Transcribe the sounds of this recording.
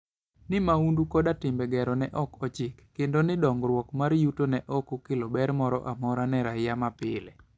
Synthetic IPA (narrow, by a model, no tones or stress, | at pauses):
nɪmaundukɔdatɪmbɛɡɛɾɔnɛʔɔkɔt͡ʃɪkːendonɪdɔŋɡɾwɔkmaɾjutonɛʔɔkokɪlobɛɾmɔɾɔ̰ʔamɔɾanɛɾaɪjamapɪ̰le